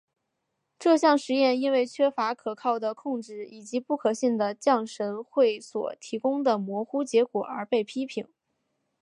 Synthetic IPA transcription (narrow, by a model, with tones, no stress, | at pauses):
ʈ͡ʂɤ˥˧ɕjɑ˥˩ŋʂɻ̩˧˥jɛ˥˩ni˥nwe˥˩ɪt͡ɕʰɥɛ˥fa˧˥kʰɤ˨˩kʰɑ˥˩ʊd̪ə˩kʰʊ˥˧ŋʈ͡ʂɻ̩˥˩i˨˩t͡ɕi˧˥pu˥˩kʰɤ˨˩ɕi˥˩nd̪ə˩t͡ɕjɑ˥˩ŋʂə˧˥nxwe˥˩ɪswɔ̰˨˩t̪ʰi˧˥kʊ˥ŋd̪ə˨mwɔ˧˥xu˥t͡ɕjɛ˧˥kwɔ˨˩ʔə̰˞˧˥pe˥˩ɪpʰi˥pʰi˨˩˦ŋ